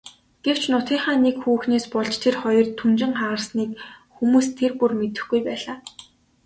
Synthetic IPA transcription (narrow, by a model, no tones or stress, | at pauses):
ɡ̥ew̥t͡ɕnʊt̪iːχaːnekxuːxneːspɔɮt͡ɕt̪ʰerχɔjɞ̆rt̪ʰːunt͡ɕɪ̆ŋχaʁə̆rsniːkxumuːst̪ʰːerpurmet̪ɘ̆xɡujpæːɮaː